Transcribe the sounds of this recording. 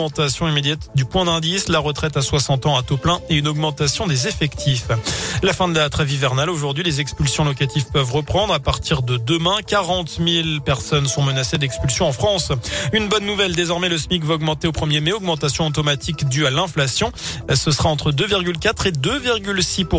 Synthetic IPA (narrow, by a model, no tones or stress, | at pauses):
ɑ̃t̪asjɔ̃imed̪jat̪d̪ypwɛ̃d̪ɛ̃d̪islaʁət̪χɛt̪aswasɑ̃t̪ɑ̃at̪oplɛ̃eynɔɡmɑ̃t̪asjɔ̃d̪ezefɛkt̪ʰiflafɛ̃d̪əlat̪χɛvivɛʁnaloʒuʁd̪ɥilezɛkspylsjɔ̃lɔkat̪ivpœvʁəpχɑ̃d̪ʁapaʁt̪ʰiʁd̪əd̪əmɛ̃kaʁɑ̃t̪milpɛʁsɔnsɔ̃mənased̪ɛkspylsjɔ̃ɑ̃fχɑ̃synbɔnːuvɛld̪ezɔʁmɛləsmikvaɔɡmɑ̃t̪eopχəmjemɛɔɡmɑ̃t̪asjɔ̃ɑt̪ɔmat̪ʰikd̪yalɛ̃flasjɔ̃səsəʁaɑ̃t̪χəd̪øviʁɡʲylkat̪χed̪øviʁɡʲylsipu